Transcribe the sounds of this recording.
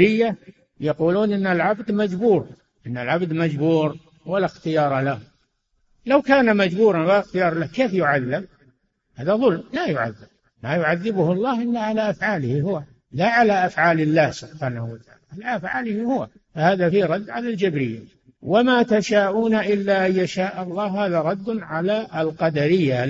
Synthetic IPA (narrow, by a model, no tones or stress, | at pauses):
ɾɪjːa | jaquːluːnʔɪnːalʕabd̪mad͡ʒbuːɾ | ʔɪnːalʕabd̪mad͡ʒbuːɾ | walaxt̪ɪjɑːɾˤɑlahʊm | lawkaːnamad͡ʒbuːɾˤɑnwalaxt̪ɪjɑːɾˤlahkeːfjʊʕaðːɪm | haːðaðˤʊlmmajʊʕa̰ðːɪb̚ | majʊʕaðːɪbʊhɑlˤːɑːhʔɪlːaʕalaʔafʕaːlɪhihʊwa | laʕalaʔafʕaːlɪlːaːhsʊbħaːnahʊwat̪aʕa̰ːlaʕalaʔafʕaːlɪhihʊwa̰ | fahaːðafiɾˤɑd̪ːʕalald͡ʒɪbɾɪjːa | wamat̪aʃaːʔuːnaʔɪlːaʔajːaʃaːʔɑlˤːɑːhhaːðaɾˤɑd̪ːʕalaɪlqɑd̪aɾɪjːa